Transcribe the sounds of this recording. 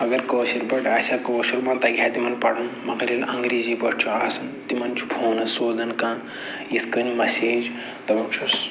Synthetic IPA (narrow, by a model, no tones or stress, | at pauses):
ɐɡɐɾkoːsiɾpɐʈaːsʲaːkoːsuɾmaːt̪ɐɡʱʲaːt̪imɐnpɐɽɐnmɐɡɐɾilɐŋɡɾiːziːpɐɽ̚ʰt͡ʃʰuaːsɐnt̪imɐnt͡ʃʰu̥pʰoːnɐsoːzɐnkãː | it̪ʰkɐnimɐseːd͡ʒ | t̪ɐbɐkt͡ʃʰus